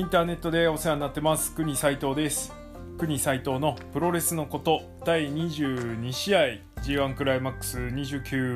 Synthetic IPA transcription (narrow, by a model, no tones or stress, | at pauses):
ĩnt̪aːne̞t̪ːo̞d̪e̞o̞seãɲ̟iːat̪ːe̞masɨ̥kɯ̟ɲ̟isait̪o̞ːd̪e̞sɨ̥ | kɯ̟ɲ̟isait̪o̞ːno̞pɯ̟ɾo̞ɾe̞sɨno̞ko̞t̪o̞ | d̪̥aiɲ̟iʑɯːɲ̟iɕiai | d͡ʑiːãŋkɯ̟ɾaimakːɯ̟̥sɨɲ̟iʑɨːkʲɯː